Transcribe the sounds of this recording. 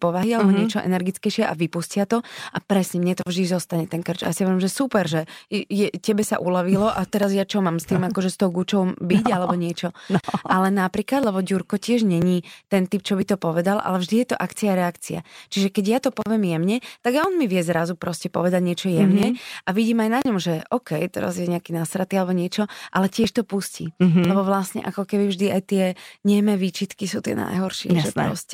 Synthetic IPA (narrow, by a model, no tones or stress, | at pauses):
pɔʋaɦialɛbɔɲɲɪɛt͡ʃɔʔɛ̰nɛɾɡit͡skɛɪjʃɪɛʔa̰ʋipuscɪat̪ɔʔapɾɛsɲɛmɲɛt̪ɔvʒd̪izɔst̪aɲɛt̪ɛnkr̩t͡ʃa̰jasiɔʋjɛmʒɛsupɛɾʒɛjɛcɛbɛsa̰ʔulaʋilɔʔat̪ɛɾazjat͡ʃɔmamst̪iːmakɔʒɛst̪ɔʊɡut͡ʃɔʊmbiɟalɛbɔɲɪɛt͡ʃɔʔalɛnapɾiːklad̪lɛbɔɟuɾkɔcɪɛʒɲɛɲit̪ɛnt̪ip̚t͡ʃɔbit̪ɔpɔʋɛd̪alʔa̰lɛvʒd̪ijɛt̪ɔʔakt͡siaɾɛakt͡sia̰t͡ʃiʒɛkɛɟjat̪ɔpɔʋɪɛmjɛmɲɛt̪aɡajɔnmiʋɪɛzɾazupɾɔscɛpɔ̰ʋɛd̪aɟɲɪɛt͡ʃɔjɛmɲɛʔaʋiɟiːmajnaɲɔmʒɛʔɔkɛjt̪ɛ̰ɾa̰zjɛɲɛakinasɾat̪ialɛbɔɲɪɛt͡ʃɔʔalɛcɪɛʃt̪ɔpuscḭlɛbɔʋlasɲɛ̰ʔakɔkɛbivʒd̪iajt̪ɪɛɲɛmɛʋiːt͡ʃit̪kisut̪ɪɛ̰na̰jɦɔɾʃɪɛ̰ʒɛpɾɾɔ̰scɛ